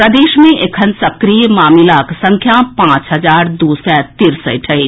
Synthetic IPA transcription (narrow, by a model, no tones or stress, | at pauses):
pɾəd̪eːʃmẽʔekʰənsɐkɾijmaːmilaksə̃ŋkʰjapãːt͡ʃɦəd͡ʒaːɾd̪uːsɛːt̪iɾsə̰ʈʰɐi